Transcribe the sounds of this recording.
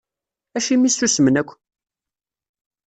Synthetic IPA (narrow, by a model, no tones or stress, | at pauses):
æʃimisusmənækʷː